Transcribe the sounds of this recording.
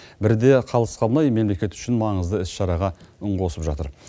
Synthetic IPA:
bɪɾd̪e̞qʰɑlˠəsqɑnɑjme̞mle̞kʲe̞t̪ʏ̥ʃɪnmɑɴəzd̪əɪsʃɑɾɑʁɑʊɴʁo̞səpʒɑt̪əɾ

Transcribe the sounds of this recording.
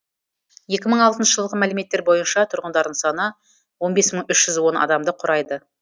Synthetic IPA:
je̞kʲɪməɴɑlˠt̪ənʃəʒəlˠəʁəmælɪme̞t̪ːeɾbo̞jənʃɑt̪ʰʊɾʁənd̪ɑɾd̪əɴsɑnə | wo̞nbe̞sməɴʏʃʒ̥ʏzwo̞nɑ̰d̪ɑmd̪əqʰʊɾʔɑjd̪ə

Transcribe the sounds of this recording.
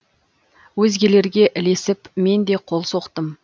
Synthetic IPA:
wɵzɡʲe̞le̞ɾɡʲe̞ʔɪle̞sɪpme̞nd̪e̞qʰo̞lˠso̞qt̪əm

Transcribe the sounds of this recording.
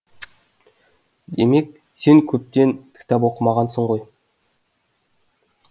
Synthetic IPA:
d̪e̞me̞k | se̞ŋkʲʰɵp̚t̪e̞nt̪ʰɪ̥kʲt̪æp̬wo̞qəmɑʁɑnsəɴʁo̞j

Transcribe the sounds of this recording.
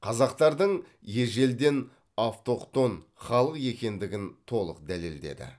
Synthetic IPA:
qʰɑzɑqt̪ɑɾd̪əɴ | je̞ʒe̞ld̪e̞n | aft̪o̞qt̪o̞nχɑlˠəqje̞kʲe̞nd̪ɪɡʲɪnt̪ʰo̞lˠə̰qd̪æle̞̰ld̪e̞̰d̪ɪ̰

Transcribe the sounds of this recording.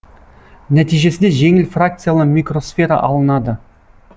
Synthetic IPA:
næt̪ijʒe̞sɪnd̪eʒe̞ŋɪlfrakt̪sɨjalˠəmʲikro̞sfʲe̞ɾɑ̰ʔɑlˠənɑd̪ə

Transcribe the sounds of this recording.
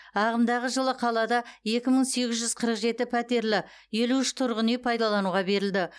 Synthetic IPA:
ɑʁəmd̪ɑʁəʒəlˠəqʰɑlˠɑd̪ɑje̞kʲɪməɴse̞ɡʲɪzʒʏzqʰəɾəqʒe̞t̪ɪpʰæt̪e̞ɾlɪ | je̞luɪʃt̪ʰʊɾʁənepʰɑjd̪ɑlˠɑnuʁɑbe̞ɾɪld̪ɪ

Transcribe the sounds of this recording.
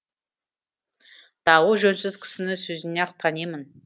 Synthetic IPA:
d̪̥ɑwuʒɵnsɪzkʲʰɪ̥sɪnɪsɵzɪneɑqt̪ʰɑnemɪn

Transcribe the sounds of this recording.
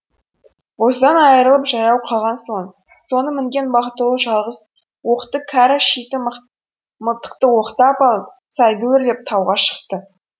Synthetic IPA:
wo̞səd̪ɑnɑjəɾəlˠəpʒɑjɑwqʰɑlˠʁɑnso̞ɴ | so̞nəmɪŋɡʲe̞nbɑχt̪əlˠəʒɑlˠʁəz | wo̞qt̪əkʰɑɾaʃijt̪ɪm | məlˠt̪ə̥qt̪əwo̞qt̪ɑpɑlˠəp̚ | sɑjd̪uwɪɾd̪ep̚t̪ʰɑwʁɑʃə̥qt̪ə

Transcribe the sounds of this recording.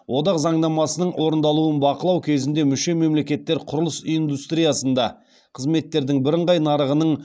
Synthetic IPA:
wʔo̞d̪ɑqzɑɴd̪ɑmɑsənəɴwʔo̞ɾənd̪ɑlˠuənbɑqəlˠɑwkʲʰe̞zɪnd̪e̞mʏʃe̞me̞mle̞kʲe̞t̪ːe̞ɾqʰʊɾəlˠəsijnd̪ust̪ɾijasənd̪ɑ | qʰəzme̞t̪ːe̞ɾd̪ɪŋbɪɾəɴʁɑjnɑɾəʁənəɴ

